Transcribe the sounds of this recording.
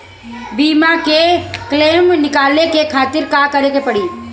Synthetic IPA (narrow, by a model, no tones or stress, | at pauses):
biːmakekleːmnɪkaːlekekʰaːt̪ɪɾkakəɾekepɐɽiː